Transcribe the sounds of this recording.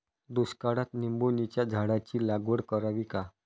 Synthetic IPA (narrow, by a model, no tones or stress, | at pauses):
d̪uskaɽat̪nimbonit͡ɕjad͡zʱaɽat͡ɕiːlaɡʋəɽkəɾaʋiːka